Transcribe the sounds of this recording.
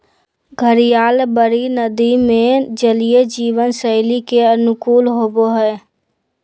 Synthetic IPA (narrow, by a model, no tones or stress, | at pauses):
ɡʱəɾijaːlbəɾinəd̪imẽd͡ʒəlijed͡ʒiːʋənsəɪlikeənʊkuːlɦoːboɦɛː